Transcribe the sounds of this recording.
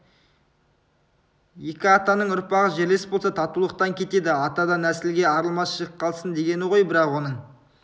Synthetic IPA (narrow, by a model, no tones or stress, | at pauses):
je̞kʲɪɑt̪ɑnəɴʊɾpɑʁəʒeɾle̞spbolˠsɑt̪ʰɑt̪ulˠəq̚t̪ɑŋkʲʰe̞t̪e̞d̪ɪɑt̪ɑd̪ɑnæsɪlɡʲe̞ɑɾəlˠmɑsʃəʁəpqʰɑlˠsənd̪e̞ɡʲe̞nɪʁo̞jbɪɾɑqwo̞nəɴ